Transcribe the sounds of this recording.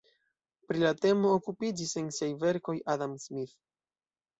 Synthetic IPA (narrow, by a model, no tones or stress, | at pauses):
pɾilate̞mo̞ːkupid͡ʒise̞nsiajve̞ɾko̞jʔadamsmiθ